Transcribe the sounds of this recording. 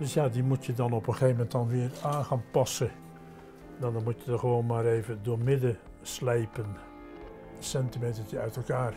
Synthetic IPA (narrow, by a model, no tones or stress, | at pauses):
d̥øsjaːdimutjədɑnɔpəχeːvəmɛntdɑnʋɪəraːnχaːnpɑsə | ndadɔnmutjədəχəʋoːnmaːɾejvədoːɹmɪdə | slejpən | sɛntimejtətəœɥtɛlˠkaːr